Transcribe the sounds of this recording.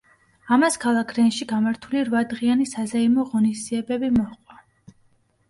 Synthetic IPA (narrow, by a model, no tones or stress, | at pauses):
amaskʰalˠakʰɾɛnʃiɡamaɾt̪ʰuliɾvad̪ʁianisazaimɔʁɔniszd̪iɛbɛbimɔχqʼwa